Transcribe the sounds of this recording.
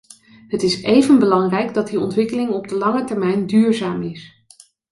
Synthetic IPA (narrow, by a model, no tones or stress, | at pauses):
ɦətɪsejvənbəlɑŋrɛjɡdɑt̚diɔntʋɪkəlɪŋɔb̚dəlɑŋətɛɹmɛjndyːɹzaːmɪs